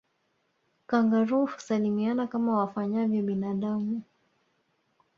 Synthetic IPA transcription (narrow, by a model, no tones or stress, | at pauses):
kaŋɡaɾuhsalimianakamawafaɲavjɔɓinaɗamu